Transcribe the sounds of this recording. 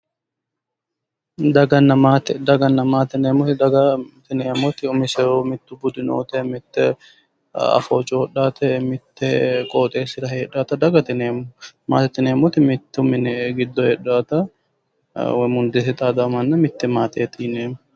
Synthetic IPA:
d̪ɐɡɐnːɐmat̪ɛd̪ɐɡɐnːɐmaːt̪ɛneːmɔt̪ɪd̪ɐɡɐt̪ɪneːmɔt̪ɪʊmɪsɛɾoːmɪt̪ːʊbʊd̪ɪno̰ːt̪ɛmɪt̪ːɛ | ɐ̰foːt͡ʃʼoɔɗaːt̪ʰɛmɪt̪ːɛkʼoːt̪ʼeːsɪɾɐheːᶑaːt̪ɐd̪ɐɡɐt̪ɪneːmʊma̰ːt̪ɛt̪ːɪneːmɔt̪ɪmɪt̪ːʊmɪnɛɡɪd̪ːɔheːᶑaːt̪ɐ | wɛmʊnd̪esɛt̪ʼaːd̪ɐmɐnːɐmɪt̪ːɛmaːt̪ʰeːt̪ʰɪneːmʊ

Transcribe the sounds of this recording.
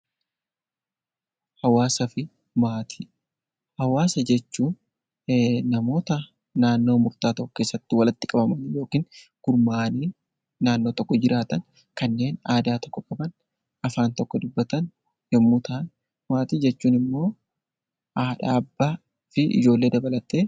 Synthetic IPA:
hɐwaːsɐfɪ | maːt̪ʰi̥ː | hɐwaːsɐd͡ʒɛt͡ʃːuːn | nɐmo̞ːt̪ɐ | naːnːo̞ːmʊɾt̪aːt̪ɐʔʊkeːsːɐt̪ːɪwɐlɐt̪ːɪkʼɐbɐmɐnjo̞ːkiːnɡ̥ʊɾmaːniː | naːnːo̞ːt̪ɔkːɔd͡ʒɪɾaːt̪ɐn | kɐnːe̞ːnaːd̪aːt̪ɔ̥kːɔkʼɐbɐn | ʔɐfaːnt̪ɔkːɔd̪ʊbːɐt̪ɐn | jɛmːʊt̪ʰaːn | maːt̪iːd͡ʒɛt͡ʃːuːnɪmːo̞ː | aːᶑaːɐbːaː | fɪʔɪ̰d͡ʒo̞ːlːe̞ːd̪ɐbɐlɐt̪eː

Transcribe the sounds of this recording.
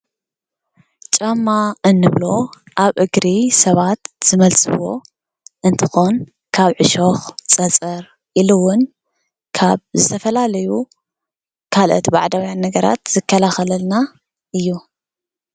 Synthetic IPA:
t͡ʃʼɐmːaʔɨnːɨβlo̞ | ʔaβʔɨɡɾisɐβat̪z̥ɨmɐlt͡sʼɨwo̞̰ | ʔɨnt̪ʰɨ̥xo̞n | kʰaβʕɨʃo̞xt͡sʼɐt͡sʼɐɾ | ʔilɨwʊn | kʰaβzɨt̪ʰɐfɐlalɐju | kʰalʔo̰t̪baʕd̪awjanːɐɡɐɾa̰t̪z̥ɨkʰːɐlaxɐlɐlna | ʔɨjːu

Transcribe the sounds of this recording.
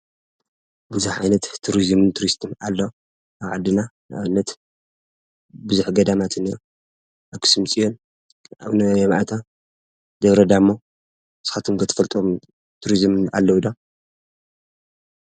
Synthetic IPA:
bɨzuħʕajnɐt̪ʰːuɾizmɨnt̪ʰuɾist̪ʰɨnalːɐ | ʔaβʕad̪ːɨnanʔaβɨnːɐt̪ | bɨzuħɡɐd̪amat̪ʰɨnijo | ʔaβkʰɨ̥sɨmt͡sʼijon | ʔa̰βnɐomʔat̪ʰa | d̪ɐβɾɐd̪amːo | sxat̪ʰumkɐt̪ʰɐ̥fɐlt̪ʼom | t̪ʰuɾizmɨna̰lːɐwud̪a

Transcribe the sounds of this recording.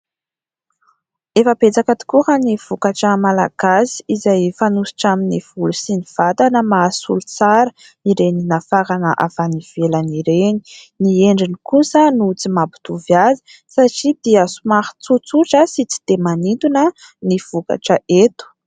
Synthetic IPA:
efəbet͡sakat̪i̥kuhəniv̥ukaʈ͡ʂəmala̰ɡ̥asi̥izajfanusi̥ʈ͡ʂaminiv̥ulusiniv̥at̪anəmaːsṵlut͡saɾə | iɾeninafaɾanəʔavaniv̥elaniɾeni̥ | nieɳɖ͡ʐinikusənut͡simabi̥d̪uvjazi̥ | saʈ͡ʂid̪̥iəsumahi̥t͡sut͡suʈ͡ʂəsit͡si̥d̪̥emanit̪unə | niv̥uka̰ʈ͡ʂəʔet̪u̥

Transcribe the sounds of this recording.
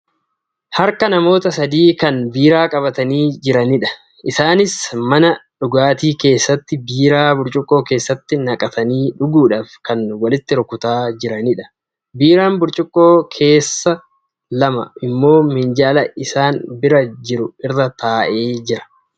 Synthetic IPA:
hɐɾkɐnɐmo̞ːt̪ɐsɐd̪iːkɐnbiːɾaːkʼɐbɐt̪ɐniːd͡ʒɪɾɐnɪᶑɐ̥ | ʔɪsaːnɪsmɐnɐᶑʊɡaːt̪iːke̞ːsːɐt̪ːɪbiːɾaːbʊɾt͡ʃʼʊkʼːo̞ːke̞ːsːɐt̪ːɪnɐkʼɐt̪ɐniːᶑʊɡuːᶑaːfkɐnwɐlɪt̪ːɪɾʊkʊt̪aːd͡ʒɪɾɐnɪᶑɐ̥ | biːɾaːnbʊɾt͡ʃʼʊkʼːoːkʰe̞ːsːɐ | lɐmɐ̰ɪmːo̞ːmɪnd͡ʒaːlɐʔɪsaːnbɪɾɐd͡ʒɪɾʊɪrːɐt̪aːʔe̞ːd͡ʒɪɾɐ̥

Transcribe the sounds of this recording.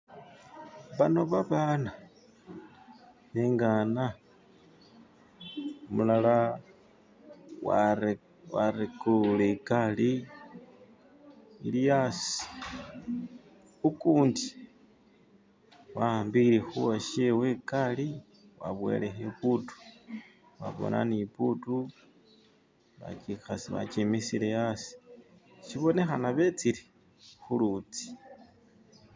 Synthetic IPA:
βano̞βaβaːna | βeŋɡaːna | omulala | wa | waɾekulekali | lijasi̥ | ukuːndi | wambiɾexuwaʃewekali | wa̰βwe̞̰lexeputu̥ | βa̰βo̰nʔa̰niputu | βa̰t͡ʃixasiβa̰t͡ʃimisilejasi̥ | ʃiβo̞ne̞xanaβet͡siɾi | xulut͡si̥

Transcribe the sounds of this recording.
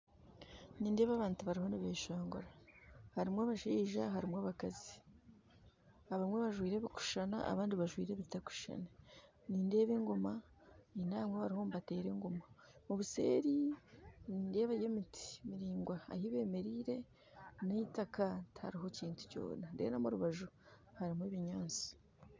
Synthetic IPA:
niːnde̞ːβaβaːntuβaɾiho̞niβeːʃaːŋɡoɾahaɾimwaβaʃiːʒaɦaɾimwaβakazi | aβamweβaʒwiːɾeβiku̥ʃana̰ʔa̰βaːndiβaʒwḭːɾeβitaku̥ʃa̰na | niːnde̞ːβeŋɡoma | ninaːmweβaɾiho̞ːmbate̞ːɾe̞ŋɡo̞ma | muβuse̞̰ːɾiniːnde̞ːβajemitʰi̥miɾiːŋɡwaa̰hiβe̞ːme̞ɾiːɾe̞ | neitakathaɾiɦo̞ciːntu̥co̞̰ːnadḛnamuɾuβaʒu | haɾimweβiɲaːnt͡si̥

